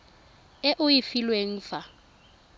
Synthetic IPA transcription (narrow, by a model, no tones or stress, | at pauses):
ɛʔʊjifilweŋ̩ːfa